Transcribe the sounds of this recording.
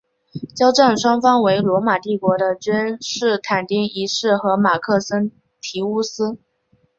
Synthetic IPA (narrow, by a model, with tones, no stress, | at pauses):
t͡ɕjɑ˥ʊʈ͡ʂa˥˩nʂwɑ˥ŋfɑ˥ŋwe˧˥ɪlwɔ˧˥ma˨˩t̪i˥˩kwɔ˧˥d̪ə˧t͡ɕy˥nʂɻ̩˥˩t̪ʰa˨˩nt̪i˥ŋi˧˥ʂɻ̩˥˩xɤ˧˥ma˨˩kʰɤ˥˩sə˥n | t̪ʰi˧˥u˥sɹ̩˥